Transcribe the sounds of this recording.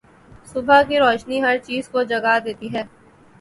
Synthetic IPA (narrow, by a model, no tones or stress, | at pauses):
sʊbʱakiɾɔːʃniɦɐɾt͡ʃiːzkod͡ʒɐɡad̪eːt̪iɦɛː